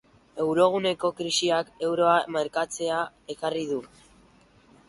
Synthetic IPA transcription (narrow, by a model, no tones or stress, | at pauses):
e̞wɾo̞ɣ̞une̞ko̞kɾisiake̞wɾo̞ameɾkat͡se̞a | e̞kariðu